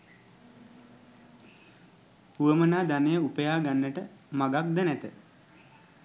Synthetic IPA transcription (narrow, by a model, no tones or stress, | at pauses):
puəmənaːd̪anəjəupəjaːɡanːəʈəmaɡak̚d̪ənæt̪ə